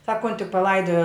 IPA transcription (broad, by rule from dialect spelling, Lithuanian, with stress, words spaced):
ˈsɑːkoːnʲtʲɪ pɐˈlˠɐɪdoːjoː